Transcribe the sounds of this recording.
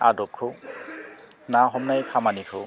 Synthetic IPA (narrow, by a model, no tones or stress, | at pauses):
a̰dɔkʰːo | naɦɔmnajkʰamanikʰɯ